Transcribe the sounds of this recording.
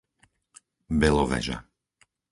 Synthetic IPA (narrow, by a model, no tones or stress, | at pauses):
bɛlɔʋɛ̰ʒa̰